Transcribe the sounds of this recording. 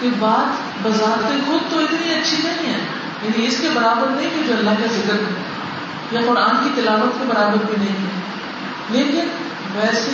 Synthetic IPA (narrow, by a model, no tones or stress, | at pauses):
kebaːt̪ | bɐzaːɾt̪ẽxʊd̪̚t̪oɪt̪niɐtːʃʰinɐɦĩɦɛː | jaːniɪskebɐɾaːbəɾnɐɦĩɦid͡ʒoɐlːaɦkezɪkəɾɦɛ | jaqʊɾaːnkit̪ɐlaːʋət̪̚kebɐɾaːbəɾbʱinɐɦĩɦɛ | leːkɪn | ʋɛːse